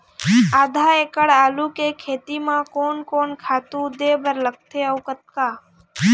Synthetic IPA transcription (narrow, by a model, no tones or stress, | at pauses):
aːd̪ʱaːeːkəɽaːlukekʰeːt̪imãkoːnkoːnkʰaːt̪ũd̪eːbʱəɾləɡ̚t̪ʰeəʊkət̪̚kaː